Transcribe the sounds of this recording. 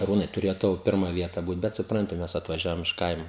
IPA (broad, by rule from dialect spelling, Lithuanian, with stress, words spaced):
ɐˈruːnɐɪ tʊˈrʲeːjoː ˈtɐʊ ˈpʲɪrmɐ ˈʋʲiɛtɐ ˈbuːt ˈbʲɛt sʊˈprɐnʲtʲɪ ˈmʲɛs ɐtʋɐˈʒʲæːʋoːm ɪʃ ˈkɐɪmoː